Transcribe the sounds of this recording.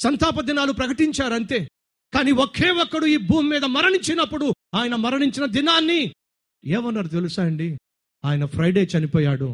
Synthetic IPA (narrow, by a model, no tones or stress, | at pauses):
sɐnt̪ʰaːpɐd̪inaːlupɾɐkɐʈiɲt͡ʃaːɾɐnt̪e̞ː | kaːniɔkʰeːwɔkːɐɽuiːbʱuːmːiːd̪ɐmɐɾɐɳiɲt͡ʃinɐpːuɽuaːjɐnɐmɐɾɐniɲt͡ʃinɐd̪inaːnːi | ɛːʋɐnːɐɾut̪̬e̞lusaːɐɳɖi | aːjɐnɐpʰɾɐjɖe̞ːt͡ʃɐnipɔːjaːɽu